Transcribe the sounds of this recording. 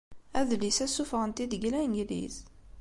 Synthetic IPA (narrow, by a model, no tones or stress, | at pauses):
æðlisæsufʁənt̪id̪əɡlæjnjlḭθ